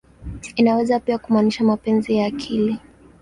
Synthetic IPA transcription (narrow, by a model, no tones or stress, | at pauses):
inawɛzapiakumaniʃamapɛnzijaːkʰili